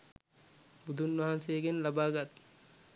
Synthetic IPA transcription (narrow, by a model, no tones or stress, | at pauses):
bud̪unːʋɐɦanseːɡenlɐbaːɡɐt̪ː